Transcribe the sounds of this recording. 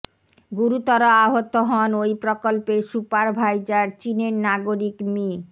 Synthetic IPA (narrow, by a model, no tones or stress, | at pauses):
ɡuɾut̪ɔɾoaɦot̪oɦɔnojpɾokolpeʃupaɾbʱajd͡ʑaɾt͡ɕineɾnaɡoɾikmi